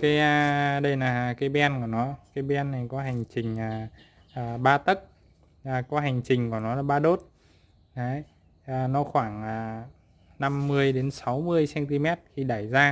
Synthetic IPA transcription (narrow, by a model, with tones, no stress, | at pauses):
kaː˨˦jə˧ɗə˧jlaː˨˩kaː˨˦jɓɛ˧nku˧˩nɔ˨˦kaː˨˦jɓɛ˧nːa˨˩jkɔ˨˦ɦa˨˩jŋ̟t͡ɕï˨˩ŋ̟aː˨˩ | ʔːɓaː˧t̪ə˦˥k̚ː | kɔ˨˦ɦa˨˩jŋ̟t͡ɕï˨˩ŋ̟kɔ˧˩nɔ˨˦laː˨˩ɓaː˧ɗo˦˥t̚ | ʔa˨˦j | ʔːnɔ˨˦xwaː˧˩ŋaː˨˩ | na˧mːɨ˧əjɗe˨˦nsa˨˦wmɨ˧əjsɛ˧nt̪i˧mɛ˦˥t̚xi˧ɗaː˧˩jzaː˧